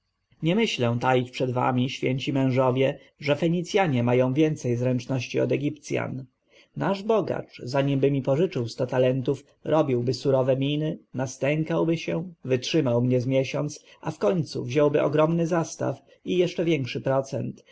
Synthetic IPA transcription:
ɲɛmɘɕlɛ̃t̪ajit͡ɕpʂɛd̪va̰mʲiɕfʲjɛɲt͡ɕimɛ̃w̃ʐɔvʲjɛ | ʐɛfɛɲit̪sʲjaɲɛmajɔ̃w̃vʲjɛnt̪sɛjzɾɛnt͡ʂnɔɕt͡ɕiɔ̰d̪ɛɡʲipt̪sʲja̰n | naʐbɔɡa̰t͡ʂzaɲimbɘmʲipɔʐɘt͡ʂɘwst̪ɔt̪alɛnt̪uf | ɾɔbʲiwbɘsuɾɔvɛmʲinɘnast̪ɛŋkawbɘɕɛvɘtʂɘmawmɲɛzmʲjɛɕɔnt̪s | ʔafkɔɲt̪sṵvʑɔwbɘʔɔɡɾɔmnɘzast̪a̰f | ijɛʂt͡ʂɛvʲjɛŋkʂɘpɾɔt̪sɛnt̪

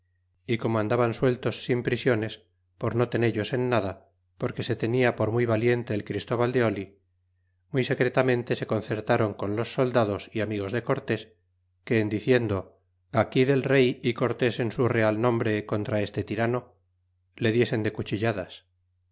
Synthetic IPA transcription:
iko̞moand̪aβanswe̞lt̪o̞sːimpɾisjo̞ne̞s | po̞ɾno̞t̪e̞neʎo̞se̞nːaða | po̞ɾke̞se̞t̪e̞niapo̞ɾmujβalje̞nt̪e̞ːlkɾist̪o̞βald̪e̞o̞li | mujse̞kɾe̞t̪amẽ̞nt̪e̞se̞ko̞nθe̞ɾt̪aɾo̞ŋko̞nlo̞sːo̞ld̪aðo̞siamiɣ̞o̞zðe̞ko̞ɾt̪e̞s | ke̞ːnd̪iθje̞nd̪o̞ | akiðe̞lre̞jiko̞ɾt̪e̞se̞nsure̞alnõ̞mbɾe̞ko̞nt̪ɾae̞st̪e̞t̪iɾano̞ | le̞ðje̞se̞nd̪e̞kut͡ʃiʎaðas

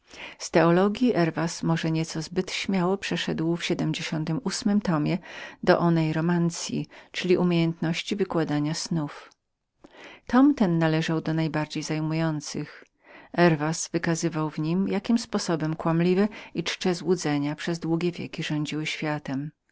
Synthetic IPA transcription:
st̪ɛɔlɔɡʲjiʔɛɾvasmɔʐɛɲɛt̪sɔzbɘt̪ɕmʲjawɔpʂɛʂɛd̪wfɕɛd̪ɛmd͡ʑeɕɔnt̪ɘmusmɘmt̪ɔmʲjɛd̪ɔʔɔnɛjɾɔmant̪sʲjḭt͡ʂɘlʲiʔumʲjejɛnt̪nɔɕt͡ɕivɘkwad̪aɲasnuf | t̪ɔmt̪ɛnːalɛʐawd̪ɔnajbaɾd͡ʑejzajmujɔnt̪sɨx | ɛɾvasvɘkazɘvawvɲimjakʲimspɔsɔbɛmkwamlʲivɛit͡ʂt͡ʂɛzwud̪zɛɲapʂɛzd̪wuɡʲɛvʲjɛ̰kʲiʐɔɲd͡ʑiwɘɕfʲjat̪ɛm

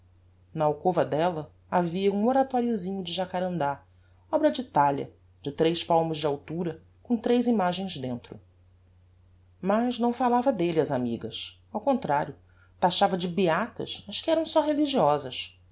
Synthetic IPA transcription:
nɐawkovɐd̪ɛlɐ | aviɐũoɾat̪ɔɾjʊzĩɲʊd͡ʒɪʒakaɾɐ̃nd̪a | ɔbɾɐd͡ʒɪːt̪aʎjɐ̰ | d͡ʒɪt̪ɾejʃpawmʊzd͡ʒɪawt̪uɾɐ | kõt̪ɾejzimaʒẽj̃zd̪ẽnt̪ɾʊ̰ | mɐznɐ̃w̃falavɐd̪elɪɐzamiɡɐs | awkõnt̪ɾaɾjʊ | t̪aʃavɐd͡ʒɪbiat̪ɐ̰ʃɐʃkɪɛɾɐ̃w̃sɔɦeliʒiɔzɐs

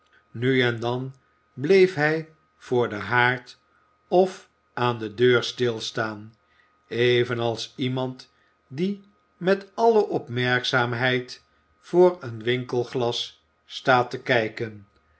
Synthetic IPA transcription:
nyɛndɑn | blejfɦɛj | v̥ʊːɹdəɦaːɹt | ɔf | ʔaːndədøːɹstɪlˠstaːn | ejvənɑlˠsimɑnt | di | mɛtɑləʔɔpmɛɹksaːmɦɛjt | fʊːɹənʋɪŋkəlˠχlɑsː | taːtəkɛjkən

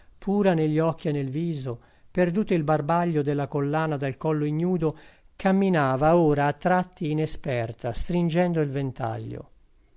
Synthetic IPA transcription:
pʰuːɾaneʎːiɔk̟ːienːelviːzo | perd̪uːt̪oilbarbaʎːod̪elːakolːaːnad̪alkɔlːoiɲːuːd̪o | kamːinaːvaoːɾaːt̪ːɾat̪ːiːnespɛrt̪ʰast̪ɾind͡ʒɛnd̪oilvent̪a̰ʎːo̰

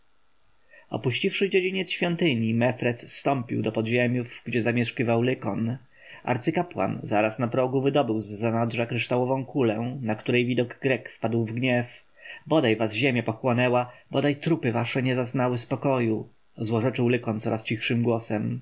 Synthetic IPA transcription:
ɔ̰puɕt͡ɕifʂɘd͡ʑed͡ʑiɲɛt̪sɕfʲjɔnt̪ɘɲimɛfɾɛssːt̪ɔmpʲiwd̪ɔpɔd̪ʑemʲjuvɡd͡ʑɛzamʲjɛʂkivawlɘkɔn | ʔa̰ɾt̪sɘkapwa̰nzaɾasnapɾɔɡuvɘd̪ɔbɘwzːanadʐakɾɘʂt̪awɔvɔ̃w̃kʰulɛnakt̪uɾɛjvʲid̪ɔɡːɾɛkfpad̪wvɡɲɛf | bɔd̪ajvazʑemʲjapɔxwɔnɛwabɔd̪ajt̪ɾupɘvaʂɛɲɛzaznawɘspɔkɔju | zwɔʐɛt͡ʂɘwlɘkɔnt̪sɔɾʔast͡ɕixʂɘmɡwɔsɛm

